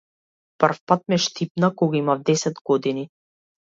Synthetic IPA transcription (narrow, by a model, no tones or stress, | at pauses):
pərfpat̪̚mɛʃt̪ipnakɔɡaimavd̪ɛsɛd̪ɡɔd̪ini